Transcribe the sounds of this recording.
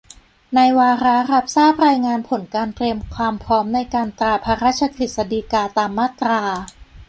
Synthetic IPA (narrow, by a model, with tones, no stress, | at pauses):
na˧jwaː˧ɾa˦˥ɾa˧˥p̚saː˥˩p̚ɾaː˧jŋaː˧npʰo˩˦nkaː˧nt̪ɾi˧əmkʰwaː˧mpʰɾɔː˦˥mna˧jkaː˧nt̪ɾaː˧pʰa˧˥ɾaː˥˩t̪̚t͡ɕʰa˧kɾi˨˩t̪̚sa˧diː˧kaː˧t̪aː˧mːaː˥˩t̪ɾaː˧